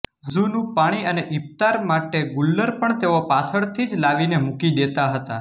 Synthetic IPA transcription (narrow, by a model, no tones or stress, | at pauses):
zunũpaɽ̃iəneʔip̚t̪aɾmaʈeɡulːəɾpəɳt̪eʋopat͡ʃʰəɭt̪ʰid͡ʒlaʋinemukid̪et̪aɦət̪a̰